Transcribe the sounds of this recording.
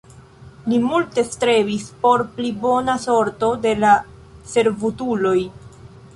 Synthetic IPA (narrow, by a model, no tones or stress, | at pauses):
limulte̞stɾe̞vispo̞ɾplibo̞naso̞ɾto̞de̞la | se̞ɾvutulo̞j